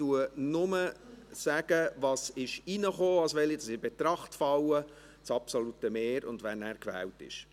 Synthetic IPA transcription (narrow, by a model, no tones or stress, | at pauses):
tuənʊməsæɡ̥əvɑːsɪʃinəχoːɑsʋɛlidɑsɪb̥et̪ɾɑχtfɑwə | t͡sɑpsɔlutəmeːɾʊ̰ndʋænæːɾkʋæ̰ːltɪ̰ʃ